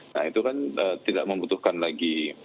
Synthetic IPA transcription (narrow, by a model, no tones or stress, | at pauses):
na̰hit̪ukanət̪ida̰ʔ̚mə̃mbut̪uhkanlaɡi